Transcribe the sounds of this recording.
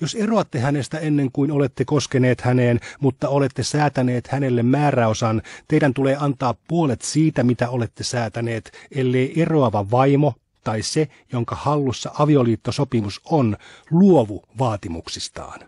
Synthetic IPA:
joseroɑt̪ːehænest̪æenːeŋkuinolet̪ːekoskeneːt̪hæneːnmut̪ːɑolet̪ːesæːt̪æneːt̪hænelːemmæːræosɑnt̪eidænt̪uleːɑnt̪ɑːppuolet̪siːt̪æmit̪æolet̪ːesæːt̪æneːt̪elːeiʔeroɑʋɑʋɑimo | t̪ɑise | joŋkɑhɑlːusːɑʔɑʋioliːt̪ːosopimusonluoʋuʋɑːt̪imṵksist̪ɑ̰ːn

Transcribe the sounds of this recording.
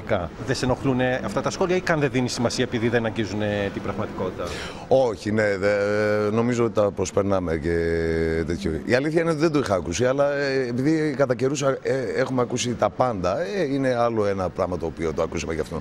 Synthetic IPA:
kɐðeseno̞xluneɐft̪ɐt̪ɐsxo̞liɐikɐnðeðinisimɐsiɐepiðiðenɐɲɟizunet̪ibɾɐɣmɐt̪i̥ko̞t̪it̪ɐ | o̞çine̞ðeno̞mizoot̪it̪ɐpɾo̞speɾnɐme̞ce̞t̪et̪ʰçoiɐliθçɐinet̪iðed̪oixɐːkusiɐlɐepiðikɐt̪ɐce̞ɾusɐeexumeɐkusit̪ɐpɐnd̪ɐeine̞ɐlo̞e̞nɐpɾɐɣmɐt̪o̞ːpiot̪oɐkusɐmeʝɐft̪o

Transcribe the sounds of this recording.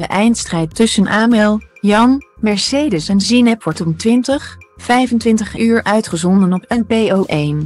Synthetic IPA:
əʔɛjntstrɛjtʏsənʔaːmɛlˠjɑnmɛɹsejdəsɛnzinɛpʋɔɹtɔmtʋɪntəχfɛjvəntʋɪntəχyːɹʔœɥtχəzɔndənɔpɛnpejoːʔejn

